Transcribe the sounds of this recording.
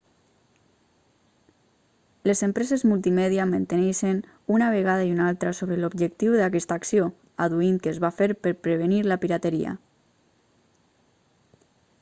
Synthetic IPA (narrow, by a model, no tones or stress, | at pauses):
lezempɾɛzezmulˠt̪imɛðiamənt̪eneʃen | unaβ̞eɣaðaiunalˠt̪ɾasoβɾəlobʒək̚t̪iwðakɛst̪aksio | aðuiŋkəːzβafeɾpəɾpɾəβeniɾlapiɾat̪eɾḭa̰